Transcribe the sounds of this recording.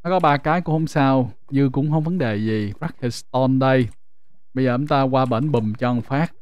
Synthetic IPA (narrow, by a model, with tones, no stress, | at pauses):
nɔ˨˦kɔ˨˦ɓaː˧kaː˨˦jku˧˥ho˧wŋ͡msaː˧w | ɲɨ˧kʊ̰˧˥ŋ͡mxhə˧wŋ͡mvə˨˦nɗe˨˩zi˨˩ɹa˦˥k̚hə˨˩st̪ɔ˧nɗə˧j | ɓə˧jzəː˨˩t͡ɕʊ˨˦ŋ͡mt̪aː˧kwaː˧ɓḛː˧˩nɓi˨˩mt͡ɕɔ˧ŋfaː˦˥k̚